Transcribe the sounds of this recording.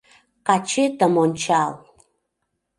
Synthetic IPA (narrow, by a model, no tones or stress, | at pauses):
qat͡ʃʰɪdamont͡ʃʰaːl